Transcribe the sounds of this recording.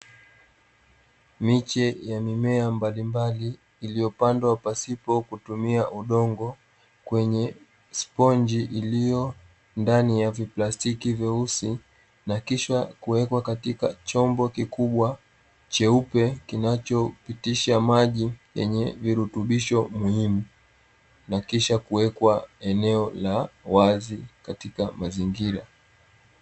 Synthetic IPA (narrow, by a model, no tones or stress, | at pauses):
mit͡ʃɛjamimɛambalimbaliː | lijɔpandwapasipɔkutumiaʔuɗɔŋɡɔ | kwɛɲɛ | spɔɲd͡ʒiʔilijɔ | ndanijaviplastikivɛusi | nakiʃwakuwɛkwakatikat͡ʃɔmbɔkikuɓwa | t͡ʃɛupɛkinat͡ʃɔpitiʃamaʄijɛ̰ɲɛviɾutuɓiʃɔmuhimu | nakiʃakuwɛkwaɛnɛɔlawazikatikamaziŋɡiɾa